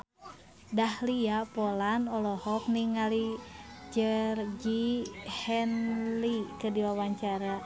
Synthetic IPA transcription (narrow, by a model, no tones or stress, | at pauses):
dahliapɔlanɔlɔhɔk̚niŋalid͡ʒərd͡ʒihɛnlikɨrdiwawaɲt͡ʃaɾa